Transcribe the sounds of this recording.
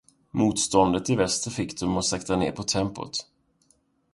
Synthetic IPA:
muːt̪st̪ɔnd̪ət̪ɪvɛst̪əfɪkd̪ɔmɔsɛkt̪anḛːɾpʰɔt̪ʰɛmpʊ̰t̪

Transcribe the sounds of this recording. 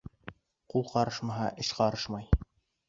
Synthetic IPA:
qulˠqɑɾɤʃmɑɦɑʔɘ̆ʃqɑɾɤʃmɑj

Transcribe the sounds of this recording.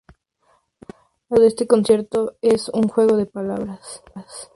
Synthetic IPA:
laðest̪eko̞nsje̞ɾt̪o̞esuŋxwe̞ɣ̞o̞ðepala̰βɾas | as

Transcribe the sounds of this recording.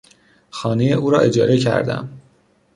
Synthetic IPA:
xɒːnejeʔuːɾɒːʔe̞d͡ʒɒːɾe̞cʰæ̰ɾd̪æ̰m

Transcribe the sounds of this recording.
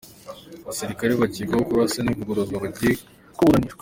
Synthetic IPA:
aβasiɾikaɾeβaɟiːɡahokuβaseniβuɡoɾozaβaɟije | kuβuɾaniʃɡwa

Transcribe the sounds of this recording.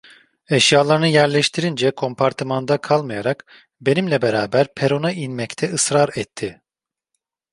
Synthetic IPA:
ɛʃjaːlˠaɾɯnɯjæɾlʲɛʃt̪ʰiɾind͡ʒɛkʰo̞mpʰaɾt̪ʰɯmand̪akʰalˠmajaɾak | be̞nimlʲɛbeɾaːbæɾpʰeɾo̞nainmɛct̪ʰɛɯsɾaɾɛt̪ʰːɪ

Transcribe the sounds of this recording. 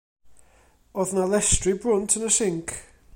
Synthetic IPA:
ɔðnalˠɛstribrʊntʰənəsɪŋkʰ

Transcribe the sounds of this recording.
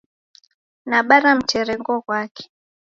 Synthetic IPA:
naɓaɾam̩t͡ʃɛɾɛŋɡɔkwakʰɛ̥

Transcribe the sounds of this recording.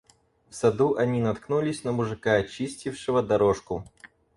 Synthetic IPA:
fsɐd̪uʔɐnʲinɐt̪knulʲɪsʲnəmʊʐɨkaɐt͡ɕisʲtʲɪfʂɨvəd̪ɐɾoʂkʊ

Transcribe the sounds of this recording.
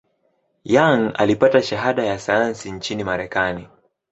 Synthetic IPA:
jaŋa̰lipataʃaɦaɗajasajansiɲt͡ʃinimaɾɛkani

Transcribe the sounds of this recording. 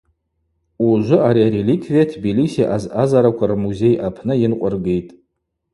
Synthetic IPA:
uʒʷʊaɾiaɾelikʰvijatʰbilisiʔazazaɾakʷʰarmuze̞jʔapʰnɨjɪnqʷʼʊrɡejtʼ

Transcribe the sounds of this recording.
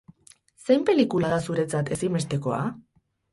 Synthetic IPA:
sejmpe̞likulaðasuɾe̞t͡sat̪e̞sime̞st̪e̞ko̞a̰

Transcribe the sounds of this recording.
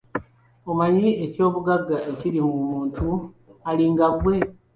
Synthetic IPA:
omaɲie̞co̞ːβuɡaɡːaeciɾimumuːntʰu | aliːŋɡaβwe̞

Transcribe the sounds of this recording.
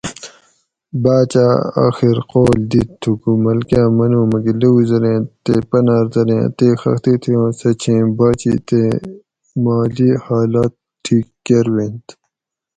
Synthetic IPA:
baːt͡ɕaːa̰ːxiɾqoːld̪it̪ʰːukumɐlkãːmɐnũːmɐɡileuzɐɾẽːt̪eːpɐnaːɾzɐɾḛ̃ːt̪eːxɐ̰xt̪it̪ʰiõːsɐt͡ɕʰẽːbaːt͡ɕḭt̪eː | maːliːhaːlaːt̪ʰːiːkːeɾwẽnt̪

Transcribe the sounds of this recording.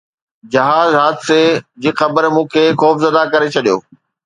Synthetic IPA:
d͡ʑɐɦaːzɦaːd̪sed͡ʑiːxɐbəɾmũːkʰeːxɔːfzɐd̪akɐɾet͡ɕʰɐɗijo̰ː

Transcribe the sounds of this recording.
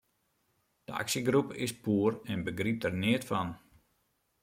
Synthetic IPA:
d̥əa̰ksiɡrupɪ̰spuːərɛnbəɡrip̚dərnɪətfɔn

